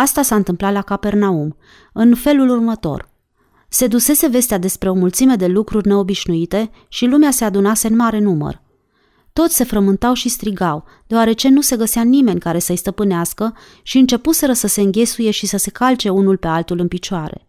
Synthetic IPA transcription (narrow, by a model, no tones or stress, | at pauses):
ast̪asaɨnt̪ɨmplat̪lakape̞rnaum | ɨnfe̞lulurmət̪o̞̰r | se̞d̪use̞se̞ve̞st̪ead̪e̞spɾe̞o̞mult̪sime̞d̪e̞lukɾurʲne̞o̞biʃnuit̪e̞ | ʃilumease̞ad̪unase̞ɨnmaɾe̞numə̰r | t̪o̞t̪sʲse̞fɾəmɨnt̪awʃist̪ɾiɡaw | d̪̥eaɾe̞t͡ʃe̞nuse̞ɡəseanime̞nʲkaɾe̞səjst̪əpɨneaskə | ʃiɨnt͡ʃe̞puse̞ɾəsəse̞ɨŋɡʲe̞suje̞ʃisəse̞kalt͡ʃe̞unulpe̞alt̪ulɨnpit͡ʃoaɾe̞̰